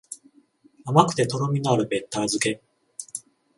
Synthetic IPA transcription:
amakɯ̟̥t̪e̞t̪o̞ɾomʲinaɾɯ̟be̞t̪ːaːzɨke̞

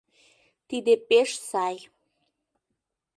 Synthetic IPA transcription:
t̪id̪epeʃsɑj

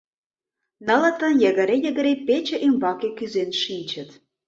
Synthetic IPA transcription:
nə̆lə̆t̪ə̆njə̆ɣə̆ɾejə̆ɣə̆ɾepet͡ɕə̆ʔymbɑkekyzenʃinʲt͡ɕə̆t̪

